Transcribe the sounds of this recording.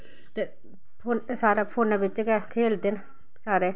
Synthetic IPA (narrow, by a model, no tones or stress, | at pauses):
t̪e | pʰonsaːɾapʰoːnɛːbɪt͡ʃːkɛkʰeːld̪en | saːɾeː